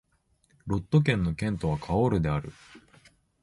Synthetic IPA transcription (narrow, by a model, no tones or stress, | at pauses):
ɾo̞t̪ːo̞k̬ẽ̞nːo̞kẽ̞nt̪o̞β̞akʰao̞ɾɯ̟d̪e̞aɾɯ̟̰